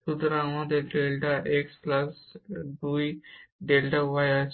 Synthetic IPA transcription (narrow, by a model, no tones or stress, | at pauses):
sud̪ɾamãd̪eɖelʈaʔeksplɐsd̪ujɖelʈaʋaja